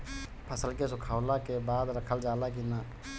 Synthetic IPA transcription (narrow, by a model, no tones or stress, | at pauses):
pʰəsəlkesʊkʰaːwlakebaːd̪ɾəkʰəld͡ʒaːlak̬inaː